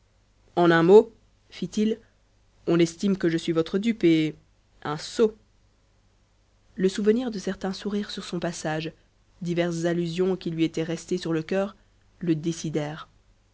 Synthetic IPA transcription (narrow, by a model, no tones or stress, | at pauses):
ɑ̃nɛ̃mo | fit̪il | ɔ̃lɛst̪imkəʒəsɥivɔt̪χəd̪ype | ɛ̃so | ləsuvəniʁd̪əsɛʁt̪ɛ̃suʁiʁsyʁsɔ̃pasaːʒ | d̪ivɛʁszalyzjɔ̃kʲilɥiet̪ɛʁɛst̪esyʁləkʲœːʁ | ləd̪esid̪ɛːʁ